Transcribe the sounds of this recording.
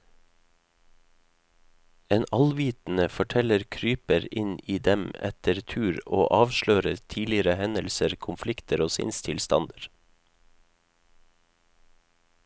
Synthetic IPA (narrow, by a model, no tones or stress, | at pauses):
eːnɑlʋiːt̪n̩əfɔʈʰɛləɾkʰɾyːpəɾɪniːd̪ɛmɛ̰t̪ʰəɾt̪ʰʉːɾo̰ːʔɑːʋʃløːɾət̪ʰiːlɪəɾəhɛnəlsəɾkʰʊmflɪkt̪ʰəɾoːsɪ̰nst̪ʰɪlst̪ɑ̰nd̪əɾ